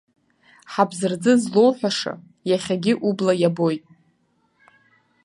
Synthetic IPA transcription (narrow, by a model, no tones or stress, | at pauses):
ħabzɨrd͡zɨzlo̞wħʷᶣaʂa̰ | jaχʲaɡʲɪʔublajabo̞jtʼ